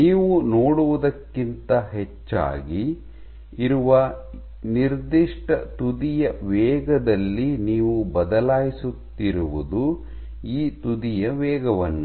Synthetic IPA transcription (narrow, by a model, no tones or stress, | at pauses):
niːʋunoːɽuʋud̪ɐkːint̪ɐɦɛt͡ʃːa̰ːɡiː | ɾuʋɐ | niɾd̪iʂʈɐt̪ud̪ijɐʋɛːɡɐd̪ɐlːiniːʋubɐd̪ɐlaːjisut̪ːiɾuʋud̪u | iːt̪ud̪ijɐʋɛːɡɐʋɐnːu